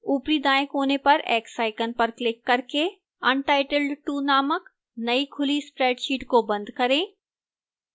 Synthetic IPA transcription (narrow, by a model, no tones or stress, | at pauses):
uːpɾid̪aːjɪ̃kɦoːnepɐɾɛːksaːɪkənpɐɾklɪkːɐɾke | ɐnʈaːɪʈəlɖʈuːnaːmək | nɐikʰʊlispɾɛːɖʃiːʈkobɐ̃nd̪kɐɾẽː